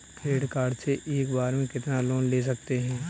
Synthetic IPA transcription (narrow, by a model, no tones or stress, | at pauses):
kɾeːɖkaːɖseʔeːkbaːɾmẽkɪt̪naloːnleːs̬ɐkt̪eɦɛ̃ː